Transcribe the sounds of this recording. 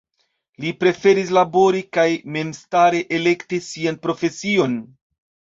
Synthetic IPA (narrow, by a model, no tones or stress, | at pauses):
lipɾe̞fe̞ɾis̬labo̞ɾikajme̞mstaɾe̞ʔele̞ktisianpɾo̞fe̞sio̞n